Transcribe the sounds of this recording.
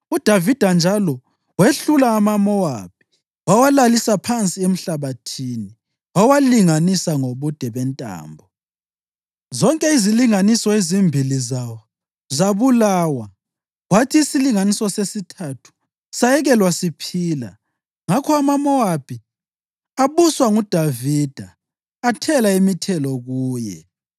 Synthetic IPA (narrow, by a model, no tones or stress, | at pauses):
ud̥ʱavid̥ʱand͡ʒʱalɔ | weɬulaːmamɔwa̰p̚ʰi̥ | wawalalisapʰant͡sʼiem̩ɬaβatʰini | wawaliŋanisaŋoβud̥ʱɛβɛntʼa̰ːmbʱɔ | zɔŋkʼɛiziliŋanisɔezimbʱilizawɔ | zaβulaːwa | watʰiːsiliŋanisɔsesitʰatʰu̥ | sajɛɣɛlwasipʰiːla̰ | ŋakʰɔamamɔwapʰi | aβuswaŋud̥ʱavid̥ʱaː | tʰɛlaimitʰɛlɔɣuːjɛ̰